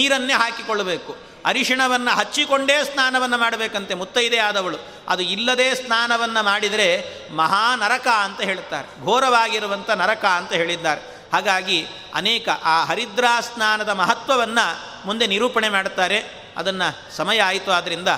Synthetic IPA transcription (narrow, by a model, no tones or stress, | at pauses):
niːɾɐnːeːɦaːkikoɭːɐbeːku | ɐɾiʂiɳɐʋɐnːɐɦɐt͡ʃːikoɳɖeːsnaːnɐʋɐnːɐmaːɽɐbe̞ːkɐnt̪e̞mut̪ːɐjid̪eaːd̪ɐʋɐɭu | ɐ̰d̪uilːɐd̪eːsnaːnɐʋɐnːɐmaːɽid̪ɐɾe̞ | mɐɦaːnɐɾɐkaɐnt̪ɐɦe̞ːɭit̪ːaːɾeɡʱoːɾɐʋaːɡiɾuʋɐnt̪ʰɐnɐɾɐkaɐnt̪ɐɦe̞ːɭid̪ːaːɾe̞ | haːɡaːɡi | ɐ̰nɛːkɐʔaːɦɐɾid̪ɾaːsnaːnɐd̪ɐmɐɦɐt̪ʋɐʋɐnːɐ | mund̪e̞niɾuːpɐɳemaːɽt̪aːɾe̞ | ɐ̰d̪ɐnːɐ | sɐmɐjɐaːjt̪uaːd̪ɐɾind̪ɐ